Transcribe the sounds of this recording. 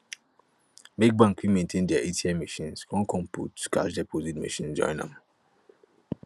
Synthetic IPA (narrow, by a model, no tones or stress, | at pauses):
mek̚bãŋkwĩmẽntʰẽndɛaʔetiɛmiʃĩnskʰɔ̃nkʰɔ̃mpṵtkaʃdɛpʰozitmḭʃĩnd͡ʒɔ̰̃ɪ̃nã̰m